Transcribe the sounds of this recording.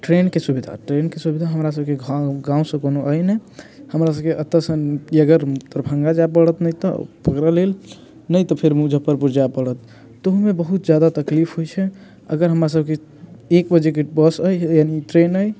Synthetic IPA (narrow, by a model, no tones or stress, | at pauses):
ʈɾenkesubid̪ʱa̰ʈɾenkesubid̪ʱaɦəmɾas̬əbkeɡɡãũsə̃konoʔəjnɛhəmɾasəb̚keʔət̪ːəsə̃iəɡəɾt̪əɾbʱə̃ŋɡad͡ʒapəɽət̪nəjt̪ɔ̰pəkɾəlel | nəjt̪ɔpʰeɾmud͡ʒʱəpəɾpuɾd͡ʒapəɽət̪̚ː | oɦumebəɦut̪̚d͡ʒjad̪at̪əklipʰɦojt͡ʃʰɛ | ə̰ɡəɾɦəmɾas̬əb̚ʱke | ekbəd͡ʒekebəsəjjaniʈɾenəj